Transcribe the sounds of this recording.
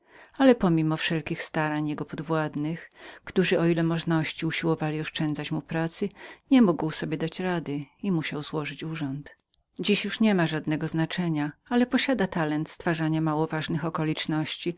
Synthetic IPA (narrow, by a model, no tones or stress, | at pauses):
alɛpɔmʲimɔfʂɛlkʲixst̪aɾaɲjɛɡɔpɔd̪vwad̪nɘxkt̪uʐɘɔilɛmɔʐnɔɕt͡ɕiuɕiwɔvalʲiɔʂt͡ʂɛnd̪zat͡ɕmupɾat̪sɘɲɛmuɡwsɔbʲjɛd̪at͡ɕɾad̪ɘimuɕawzwɔʐɘt͡ɕuʐɔnt̪ | d͡ʑiɕjuʂɲɛmaʐad̪nɛɡɔznat͡ʂɛɲaalɛpɔɕad̪at̪alɛnt̪st̪faʐaɲamawɔvaʐnɘxɔkɔlʲit͡ʂnɔɕt͡ɕi